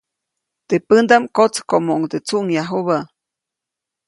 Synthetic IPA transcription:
t̪epɨnd̪amkot͡skomouŋd̪ɨt͡suʔŋjaɦuβa

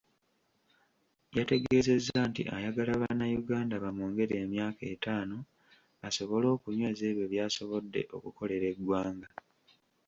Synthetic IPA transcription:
jate̞ɡe̞ːze̞zːantḭʔajaɡalaβaːnajuɡaːndaβamuːŋɡe̞ɾieːmjaːketaːno̞ | aso̞βo̞lo̞ːkuɲwe̞ːzeːβje̞βjaːso̞βo̞dːe̞̰ʔo̞̰kuko̞le̞ɾe̞ɡwaːŋɡa

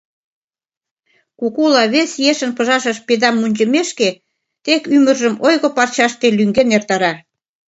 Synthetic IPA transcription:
kukulɑβesjeʃə̆npə̆ʒɑʃə̆ʃped̪ɑmːunʲt͡ɕə̆meʃke | t̪ekymə̆rʒə̆mojɣŏpɑrt͡ɕɑʃt̪elyŋɡenert̪ɑɾɑ

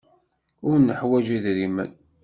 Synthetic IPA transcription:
ʊɾnːəħwæd͡ʒiðɾimə̰n

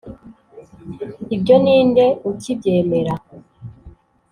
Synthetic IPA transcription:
ibɟo̞niːnde̞ucibje̞ːme̞ɾa

